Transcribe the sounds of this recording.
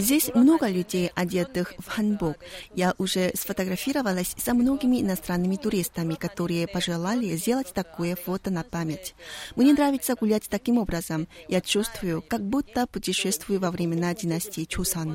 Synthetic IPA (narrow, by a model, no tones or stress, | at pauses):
zʲdʲesʲmno̞ɡəlʲʉdʲejɐdʲet̪ɨxvxɐnbukjaʔʊʐɛsfət̪əɡɾɐfʲiɾəvəlˠəsʲsɐmno̞ɡʲɪmʲɪɪ̰nɐst̪ɾanːɨmʲɪt̪ʊɾʲist̪əmʲɪkɐt̪oɾɨjəpɐʐɨlˠalʲɪzʲdʲe̞lˠətʲt̪ɐkojəfot̪ənɐpamʲetʲmnʲenɾavʲɪt̪səɡʊlʲatʲt̪ɐkʲimo̞bɾəzəmjat͡ɕust̪vʊjʊkaɡ̚but̪ːəpʊtʲɪʂɛst̪vʊjʊvɐvɾʲɪmʲɪnadʲɪnasʲtʲiːt͡ʃusan